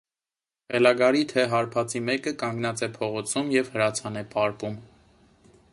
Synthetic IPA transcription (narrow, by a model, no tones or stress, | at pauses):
ʁɛlɑɡɑɾit̪ʰɛɦɑɾpʰɑt͡simɛkəkɑŋɡnɑt͡sɛpʰɔʁɔt͡sʰumjɛv̥həɾɑt͡sʰɑnɛpɑɾpum